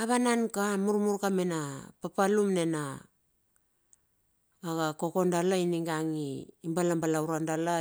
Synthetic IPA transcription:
aβanankamuɾmuɾkamenapapalumne̞na | ɡako̞ko̞ndalainiŋɡaŋiːmbalambalawɾandala

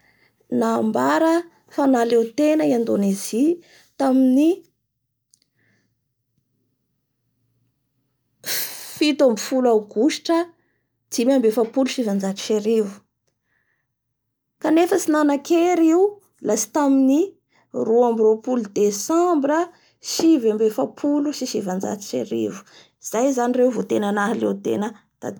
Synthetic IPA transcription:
naːmbaɾə | fanalewt̪enəiand̪onezi | t̪amini | fit̪ambifulawɡ̥uʃi̥ʈ͡ʂə | d͡z̥imambefapuluʃivand͡ʒaʈ͡ʂi̥ʃeɾivu̥ | kanefəsinanakeɾiu | lasi̥t̪amini | ruambiɾopulud̪esambɾə | ʃivambefapʰuluʃiʃivand͡za̰t̪i̥ʃḛɾḭvu̥ | iz̥ajzanirewvot̪enanaɦalḛwt̪ḛnə | d̪̥a̰

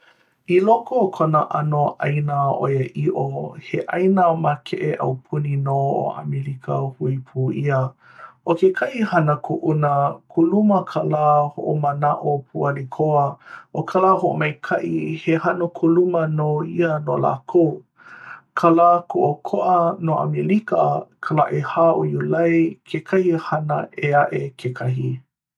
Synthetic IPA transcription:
ilokokʰonəʔanoʔajnaʔo̰jəʔiʔoheʔɐjnamakʰeʔeʔɐ̰wpʰuninoo̰a̰milikʰəhuipʰuːiə | ʔokekʰɐʔihɐnəkuʔunəkʰuluməkʰalaːhoʔomənaʔopʰualikʰoəʔokʰalaːɦoʔomejkʰɐʔihehanokʰulumɐnoiənola̰ːkʰow | kʰalaːkʰoʔokʰoʔɐnoːʔa̰milikəkʰəlaʔehaːojulɐjkʰekʰɐhihanə̰ʔeaʔekʰekʰɐɦi

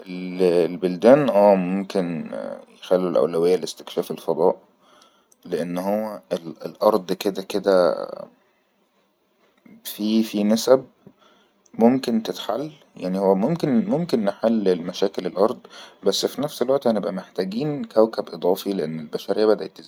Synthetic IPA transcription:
ʔellbold̪æːnʔæːmomkenjexælːulʔæ̰wlæwejːælest̪e̥kʃæːfelfɑd̪ˤɑːʔ | leʔenːhowːæelelʔɑɾˤd̪ˤked̪æked̪æ̰ | fifinæsæb̚ | momkent̪et̪ħalː | jaʕnihowːæmomkenmomkenːeħalːelmæʃæːkelelʔɑɾˤd̪ˤbæsːfinæfselwæʔt̪ʔhænebʔæmeħt̪æːɡiːnkæwkæbʔed̪ˤɑːfileʔenːelbæʃæɾejːæbæd̪æt̪ːez

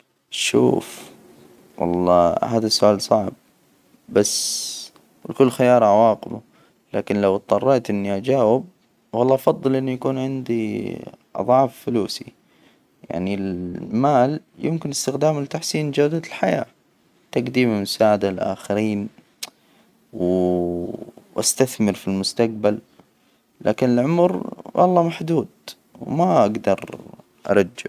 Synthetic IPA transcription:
ʃṵːf | wɑ̰lˤːɑ̰ːhaːðasːʊʔaːlsˤɑʕb̚ | bas | wɪlkʊlːxɪjɑːɾˤʕawɑːqɪbu | laːkɪnlawt̪̚ˤːɑrˤːeːt̪ʔɪnːiʔad͡ʒaːwɪb̚ | wɑlˤːɑːʔɑfɑðˤːɨlʔɪnːujakuːnʕɪnd̪i | ʔɑ̰ðˤɑʕfːʊluːsḭ | ja̰ʕnilmaːljɪmkɪnɪst̪ɪxd̪aːmlɪt̪aħsiːnd͡ʒawd̪alħaja̰ː | t̪aqd̪iːmamʊsaːʕad̪alʔa̰ːxaɾiːn | w | ʔast̪aθmɪɾfilmʊst̪aq̚bal | lʔa̰ːkɪnɪlʕʊmɾwʔɑ̰lˤːɑːmaħd̪uːd̪ | wmaʔaɡd̪ɑɾˤ | ʔɑ̰ɾˤɑd͡ʒːa̰

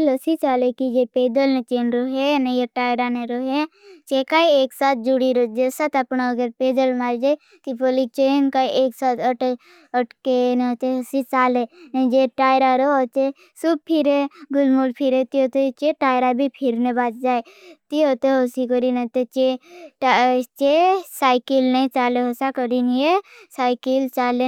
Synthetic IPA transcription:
ləsit͡ʃaːlekid͡ʒepeːd̪əlnet͡ʃeːnɾoɦenejeʈaːjɾaneɾoɦet͡ʃekaieːksaːt̪̚ʰd͡ʒuɽiɾod͡ʒesaːt̪əpnaəɡəɾpeːd̪əlmaːɾd͡ʒae | t̪ibolit͡ʃenkaiʔeːksaːt̪əʈe | əʈkent̪eɦəsit͡ʃaːlend͡ʒeʈaːjɾaɾoot̪e | sub̚pʰiɾeɡʊlmulpʰiɾet̪iɦot̪et͡ʃeʈaːjɾabʱipʰiɾnebaːt̪d͡ʒaːet̪iɦot̪eɦosikəɾinet̪et͡ʃeʈt͡ʃesaːɪkilnəĩt͡ʃaːleɦosakəɾinjesaːɪkilt͡ʃaːle

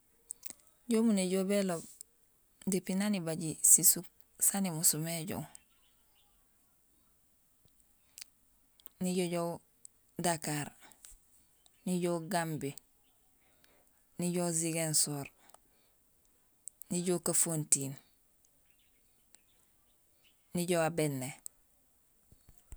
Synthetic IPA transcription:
ɟomuneɟobelob̚ | dipinanibaɟisisuk̚ | sanimusumeɟo̰w | niɟoɟow | dakaɾ | niɟowɡambi | niɟoziɡensoːɾ | niɟokafontiːn | niɟoabenːe

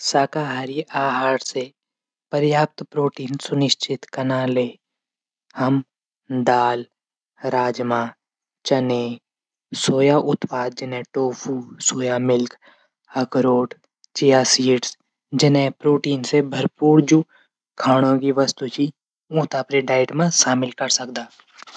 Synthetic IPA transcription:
saːkaːɦaːɾiʔaːɦaːɾse | pəɾjaːp̚t̪pɾoːʈiːnsʊnɪʃt͡ʃɪt̪kɐnaːleː | hɐm | d̪aːl | ɾaːd͡ʒmãː | t͡ʃəneː | soːjaʔʊt̪paːd̪̚d͡ʒɪnẽʈoːpʰuːsoːjamɪlk | ɐkɾoːʈ | t͡ʃɪjaːsiːʈs | d͡ʒɪnẽpɾoːʈiːnsebʱəɾpuːɾd͡ʒu | kʰaːɽ̃õkiʋəst̪ut͡ʃi | ũːt̪apɾeɖaːɪʈmẽʃaːmɪlkɐɾsəkd̪aː

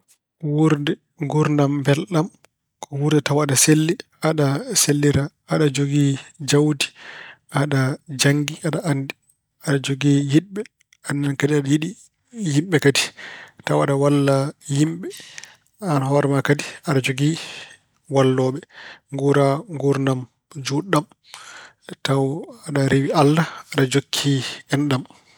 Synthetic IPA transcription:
wuɾdɛ | ŋɡuɾndambɛlɗam | kʰɔwuɾdɛtawaɗaselːiʔaɗaselːiɾa | aɗad͡ʒoɡid͡ʒawdi̥ʔaɗad͡ʒaŋɡiʔaɗaʔandi | aɗad͡ʒoɡijiɗɓɛ | anːankadiaɗajiɗi | jimɓɛkaditawaɗawalːajimɓɛ | anhɔɾɛmakadiaɗad͡ʒoɡi | walːɔːɓɛŋɡuɾaŋɡuɾnam | d͡ʒuɗːam | tawaɗaɾewialːaaɗad͡ʒokʰːiɛnɗam

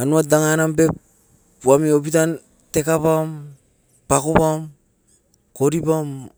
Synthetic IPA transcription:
anuadaŋanambep̚ | wamiopitan | te̞kapam | pakopam | ko̞ɾipam

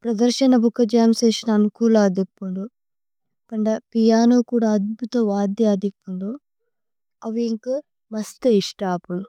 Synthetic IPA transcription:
pɾɐd̪ɐɾʃɐnɐbʱukɐd͡ʒaːmseːʃɐnɐnukuːlaːd̪ipːuɳɖu | pɐɳɖɐpijaːnoːkuːɽaːɐd̪̚bʱut̪ɐʋaːd̪jɐɐd̪ipːuɳɖu | ɐʋiŋku | mɐst̪eiʂʈaːpulu

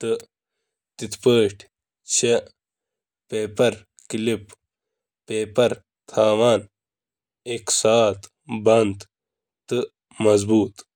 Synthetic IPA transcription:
t̪ɨ | t̪it̪pəːʈ | t͡ɕʰe | peːpɐɾ | kilip | peːpɐɾ | t̪ʰaːwaːn | eksaːt̪ | bɐnd̪ | t̪ɨ | mɐzbuːt̪

